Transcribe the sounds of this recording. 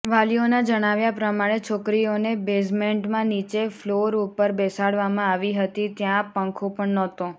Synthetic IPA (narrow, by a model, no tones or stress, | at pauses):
ʋalionad͡ʒəɽ̃aʋjapɾəmaɽ̃et͡ʃʰokɾionebesmeɳʈmãnit͡ʃefloɾupəɾbɛsaɽʋamãaʋiɦət̪it̪jãpə̃ŋkʰõpəɳnɔt̪õ